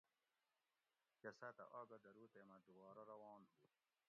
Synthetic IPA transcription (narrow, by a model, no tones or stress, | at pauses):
kɐsɐt̪ɐ̰ʔaːɡɐd̪ɐɾuːt̪eːmɐd̪ubaːɾɐɾɐwɑːnɦu